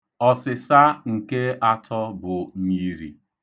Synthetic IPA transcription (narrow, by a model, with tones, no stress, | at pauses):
ɔ˨sɪ˨sa˦ŋ̩˨ke˦a˦tʰɔ˦bʊ˨˦i˦ɾḭ˨